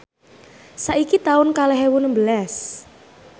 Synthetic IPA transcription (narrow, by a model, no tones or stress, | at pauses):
saʔikit̪aʊnkalɛɦewunəmbəlas